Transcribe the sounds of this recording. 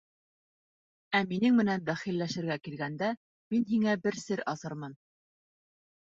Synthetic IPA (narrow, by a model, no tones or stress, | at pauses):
æminɘŋmɘ̆nænd̪æχilːæʃɘ̆ɾɡækilɡænd̪æ | minɦiŋæbɘɾsɘɾɑzɤɾmɤn